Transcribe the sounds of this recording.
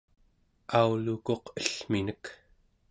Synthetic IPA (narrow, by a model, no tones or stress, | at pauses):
auluko̞qəɬminək